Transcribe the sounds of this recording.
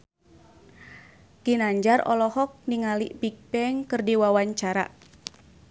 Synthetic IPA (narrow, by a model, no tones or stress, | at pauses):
kinaɲd͡ʒarɔ̰lɔhɔk̚niŋalipik̚pɛŋkɨrdiwawaɲt͡ʃaɾa̰